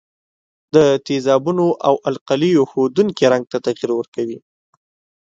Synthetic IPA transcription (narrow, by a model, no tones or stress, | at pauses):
d̪ət̪izɑbunoʔawʔalqalijoxod̪uŋkeɾaŋɡ̚t̪at̪aɣiɾwəɾkawi